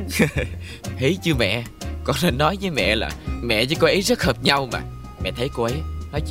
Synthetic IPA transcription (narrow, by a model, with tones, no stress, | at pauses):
hə˨˦jt͡ɕɨ˧əmɛ̰˧˨kɔ˧˩nle˧˩nːɔ˨˦jvə˨˦jmɛ̰˧˨la̰ː˨˩mɛ̰˧˨t͡ɕɨ˧˦ko˧˦ʔə˨˦jzə˦˥t̚həː˨˩p̚ɲa˧wma̰ː˨˩ | mɛ̰˧˨t̪ʰə˨˦jko˧ʔə˨˦jnɔ˨˦j